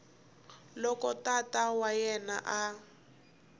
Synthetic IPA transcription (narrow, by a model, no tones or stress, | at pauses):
lɔkɔtatawajɛna̰ʔa